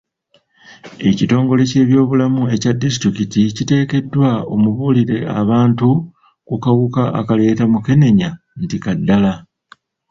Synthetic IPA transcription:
e̞cito̞ːŋɡo̞le̞ce̞ːβjo̞ːβulamue̞cadːisitɾikiticite̞ːke̞dːwao̞muβuːliɾe̞a̰βaːntu | kukawukaa̰kale̞ːtamuke̞ne̞ɲa | ntikadːala

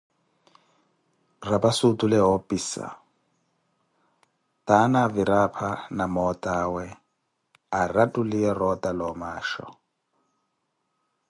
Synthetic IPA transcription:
rabasutʼulɛɦɔpʼisa̰ | tanaviɾapʰanamɔtʼawɛ | aratʼuliɛrɔtʼalɔmaːʃɔ̰

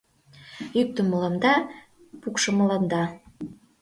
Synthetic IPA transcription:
jyk̚t̪ə̆məlɑmd̪ɑ | pukʃɤ̆mɤ̆lɑnd̪ɑ

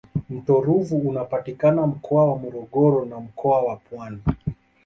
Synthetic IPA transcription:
m̩tɔɾuvuːnapatikanam̩kʰɔawamɔɾɔɠɔɾɔnam̩kɔawapwani

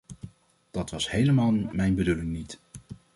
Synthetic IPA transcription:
d̥ɑtʋɑshejləmaːlˠmɛjnbədulɪŋnit

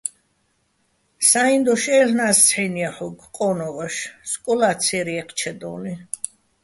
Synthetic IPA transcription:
saind̪ɔʃɛlnast͡sʰħɛniaħɔɡqʼɔnɔvaʃskʼɔlat̪sʰɛɾiɛqʰt͡ʃʰɛd̪ɔːni

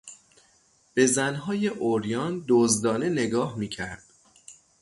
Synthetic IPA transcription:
b̥e̞zænɦɒːje̞ʔoɾjɒːnd̪ozd̪ɒːne̞ne̞ɡɒːhmiːcʰæɾd̪̥

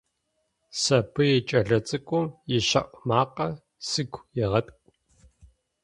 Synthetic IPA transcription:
sɐpʰɨjɛt͡ʃʼɐɮɐt͡sʼɨkʷʼʊmjɪʃɐʔʼmaːqɐ | sɨɡʷʰjɛʁɐtʼkʷʼ

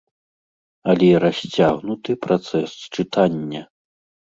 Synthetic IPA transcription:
ɐlʲɛiɾasʲt͡sʲaɣnut̪ɨpɾat̪sɛst͡ʂɨt̪ʰanʲːɐ

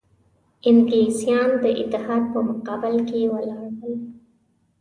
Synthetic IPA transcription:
ɪŋɡlesijɑnd̪əʔɪ̰t̪ːɪhɑːd̪̚pəmʊqɑbɪlkewəlɑɾwəl

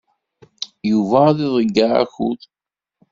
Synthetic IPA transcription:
juvæðiðˤəɡːaʕa̰çṵð

